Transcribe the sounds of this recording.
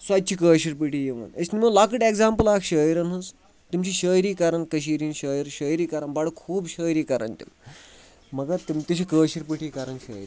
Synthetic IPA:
sad̪̚t͡ɕiːkəːɕiɾpiʈijeʋə̰nesniməlakəʈeɡzampəlakɕəjɾənɦəs | t̪umt͡ɕiːɕəjɾiːkaɾənkəɕ̬iɾiːnɕəjəɾɕəjɾiːkaɾənbaɽəkʰuːbɕəjɾiːkaɾə̰nt̪ḭm | mɐɡat̪umt̪ɐɕikəːɕiɾpiʈʰiːkaɾənɕə̰jɾi

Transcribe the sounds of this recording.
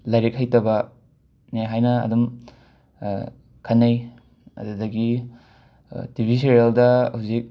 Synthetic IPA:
lajɾek̚hajtɐbɐ | niajɦajnɐ̰ːdum | kʰɐnːaj | ɐ̰dudɐɡi | tibʱis̬iɾialdɐhawzik̚

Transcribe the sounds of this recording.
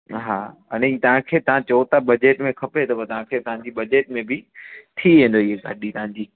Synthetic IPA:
ɦaːɐnẽiːt̪ɐʋ̤ãkʰeːt̪ɐʋ̤ãt͡ɕɐot̪abɐd͡ʑeːʈmẽkʰɐpet̪ɐbɐt̪ɐʋ̤ãkʰeːt̪ɐɦãɲd͡ʑiːbɐd͡ʑeːʈmẽbɪt̪ʰiʋẽːn̆d̪oɪɦeɡaːɗit̪ɐɦãɲd͡ʑiː

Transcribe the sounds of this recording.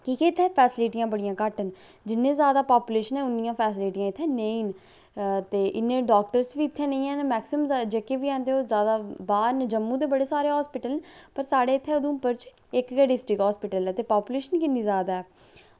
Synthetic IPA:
kiːkɛːɪt̪ʰːɛːpʰɛːsɪliːʈijãːbəɽijãːkəʈən | d͡ʒɪnːẽːzjaːd̪aːpaːpuːleːʃənɛ̃ːʊnːijãːpʰɛːsɪliːʈijãːɪt̪ʰːɛːneiːn | t̪eːʔɪnːẽːɖɔːk̚ʈəɾsʋiːɪt̪ʰːɛ̃ːnẽĩːɛ̃ːnmɛːksɪmd͡ʒekeːʋiːɛ̃ːnd̪eːoːzjaːd̪aːbaːɾnd͡ʒəmːũːt̪eːbəɽeːsaːɾeːɦɔːspɪʈəlnpəɾsaːɖeːɪt̪ʰːɛːʊd̪ũːpəɾt͡ʃ | ɪkɡɛːɖɪsʈɾɪkɦɔːspɪʈəlɛːt̪eːpaːpuːleːʃənkɪnːĩːzaːd̪aːɛː

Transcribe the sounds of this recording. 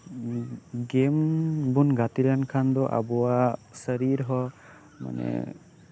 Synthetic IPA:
ɡembunɡat̪ilankʰand̪ɔʔa̰bɔwasəɾiɾɦɔ | ma̰nɛ̰

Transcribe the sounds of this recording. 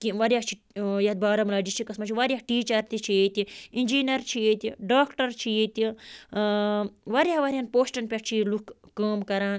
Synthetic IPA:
kiʋɐɾjat͡ʃʰi | jɐt̪̚baːɾɐmlaːd͡ʒit͡ʃʰikɐsmɐt͡ʃʰiʋaɾjaɦʈiːt͡ʃɐɾt̪it͡ʃʰijet̪iinʲd͡ʒiːnɐɾt͡ʃʰijeːt̪ʲiɖaːkʈɐɾt͡ʃʰijeːt̪i | ʋaɾʲjaʋɐɾianpoːʃʈɐnpʲaʈt͡ʃʰilukːəːmkɐɾãːn

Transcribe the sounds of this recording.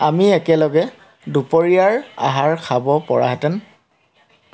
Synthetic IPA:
amiɛkɛlɔɡɛ | dupoɹijaɹa̰ɦaɹkʰabɔpɔ̰ɹa̰ɦɛtɛn

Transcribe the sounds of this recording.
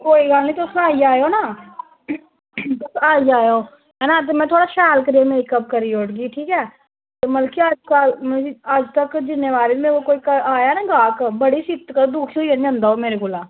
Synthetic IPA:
koːiːɡalnĩt̪osaːiaːjoːnaː | t̪əsaːiaːjoː | ɦɛːnaːt̪̬emɛ̃ːt̪ʰoːɽaːʃaːlkəɾemeːikəb̚kəɾioːʈɡiːʈʰiːkɛː | t̪eməlkiad͡ʒkaəd͡ʒt̪əkd͡ʒɪnːeːʋaːɾimẽkokoːikəaːjaːnãːɡaːkbəɽiːsɪt̪kəd̪ʊkʰioːiəniə̃nd̪aːoːmeːɾekoːlaː

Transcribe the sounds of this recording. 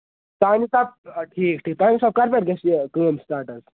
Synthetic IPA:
t̪aːnisab̚ʈʰiːkʈʰiːk̚t̪aːnisaːb̚kaɾpʲeʈɡɛsikəːmsʈaːɾʈəs

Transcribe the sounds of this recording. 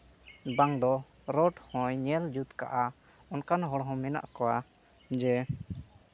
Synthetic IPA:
baŋd̪ɔ | ɾɔʈhɔ̃jɲɛld͡ʒut̪ka̰ʔa | ɔnkanɦɔɽɦɔ̃mɛna̰ʔkɔwa | d͡ʒɛ

